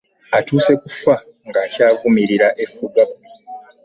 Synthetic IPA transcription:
atuːse̞kufa | ŋɡacaːvumiɾiɾaʔe̞fuɡabi

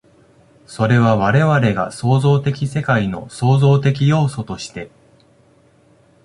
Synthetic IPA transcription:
so̞ɾe̞βaβaɾe̞βaɾe̞ɡa̰so̞ːzo̞ːt̪e̞kʲise̞kaino̞̰so̞ːzo̞ːt̪e̞kʲijo̞ːso̞t̪o̞ɕi̥t̪e̞

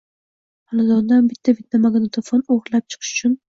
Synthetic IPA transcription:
halad̪ɒnd̪anbɪt̪ʰːabɪt̪ʰːamaɡanat̪ʰofɒnoʁɾɨlap̚t͡ʃʰɨ̥qʰɨ̥ʃʊ̥t͡ʃʰʊn

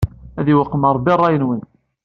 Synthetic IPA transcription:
æðiwəqːəməɾˤbirˤːɑjənwən

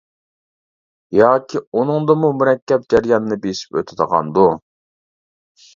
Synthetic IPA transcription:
jɑːkʲʰiunɨŋd̪əmumuɾɛkʲːɛp̚d͡ʒæɾjɑnnɨbesi̥pø̰t̪ʰɪd̪əʁɑ̰nd̪u

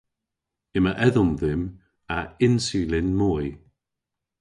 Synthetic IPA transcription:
ɪməʔɛðʊmðɪm | aɪnsiːlɪnmɔj

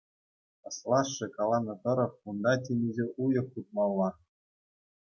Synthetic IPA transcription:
ɤ̆slˠɑʂːɘ̆kɑlˠɑnɤ̆t̪ɤ̆ɾɤ̆χund̪ɑtʲenʲezʲeʔujɤ̆kːut̪̚mɑlˠːɑ

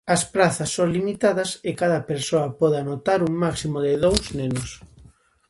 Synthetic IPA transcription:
ɐspɾaθɐsːoŋlimit̪aðɐsɪkaðɐpeɾsoɐpɔðɪanot̪aɾuŋmaksimoðɪðowsnenʊs

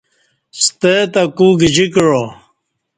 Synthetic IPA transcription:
st̪et̪akuːɡid͡ʑikɻo

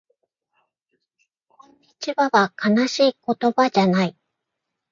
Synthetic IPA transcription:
it͡ɕibaβakʰanaɕiːko̞t̪o̞bad͡ʑanai

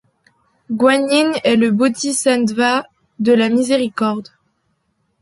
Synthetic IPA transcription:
ɡwaɲinɛləbot̪isɛ̃d̪va | d̪əlamizeʁikɔʁd̪

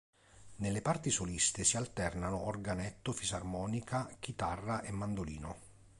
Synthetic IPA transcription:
nelːepart̪isolist̪ɪsialt̪ɛrnanʊʔɔrɡanɛt̪ːʊfizarmɔːnikʰak̟it̪arːaʔemːand̪olḭːno

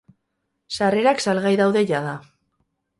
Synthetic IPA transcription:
sare̞ɾaksalɣajðawðe̞ʝaða

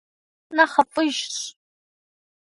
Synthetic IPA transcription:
naχɐpʼɨʒɕ

